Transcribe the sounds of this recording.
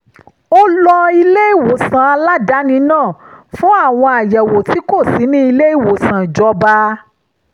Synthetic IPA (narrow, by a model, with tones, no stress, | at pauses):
o˦lɔ˧i˧le˦i˦˨wo˨sã˨a˧la˦da˨˦nĩ˧˦nãː˦˨fũ˦a˦˨w̃ɔ̃˧a˨jɛ˨wo˨ti˨˦ko˦˨si˨˦nĩ˦i˧le˦i˦˨wo˨sã˨d͡ʒɔ˧˦ba˧˦